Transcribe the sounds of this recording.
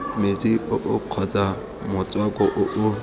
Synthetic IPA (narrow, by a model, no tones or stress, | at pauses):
met͡sʼiʊʔʊq͡χʰɔt͡sʼa | mʊt͡sʼwakʼɔʔʊʔʊ